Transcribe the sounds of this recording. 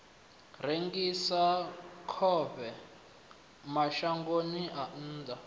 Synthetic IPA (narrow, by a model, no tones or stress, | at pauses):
reŋɡisakʰɔβɛ | maʃaŋɡoniʔan̩ːda